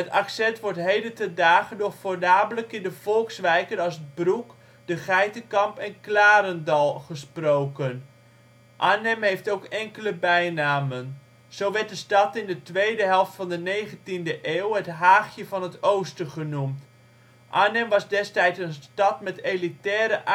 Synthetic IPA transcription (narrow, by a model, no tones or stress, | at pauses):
ətaksɛntʋɔɹtɦejdətədaːχədofoɹdaːbələkɪndəv̥ɔlˠksʋɛjkənɑsət̚bruk | dəχɛjtəkɑmpɛnklaːɾəndɑlˠχəsprowkən | ʔaːnɛmɦejftowkɛŋkələbɛjnaːmən | z̥owʋɛɹt̚dəstɑtɪndətʋejdəɦɛlˠftfɑndənejχəntindəʔeːwətɦaːχjəvɑnɦətowstəχənumt | ʔaːnɛmʋɑzdɛstɛjtsənstɑtmɛtelitɛːɾəʔ